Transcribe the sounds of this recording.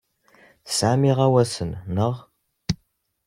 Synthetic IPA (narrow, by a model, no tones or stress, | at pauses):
saːmiʁɐwɐsɨnːəʁ